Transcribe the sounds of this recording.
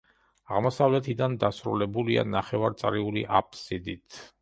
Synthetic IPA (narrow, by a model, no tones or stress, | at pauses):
aʁmɔsavlɛt̪ʰid̪and̪asɾṵlɛbulia̰naχɛvaɾt̪sʼɾiulḭʔapsid̪it̪ʰ